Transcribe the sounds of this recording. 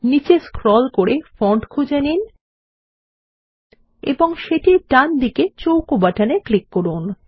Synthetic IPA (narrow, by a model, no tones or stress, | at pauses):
nit͡ɕeskʰɾɔlkoɾefɔɳʈkʰud͡ʑanin | ḛboŋʃeʈiɖand̪iket͡ɕowkobaʈʰaneklikːoɾun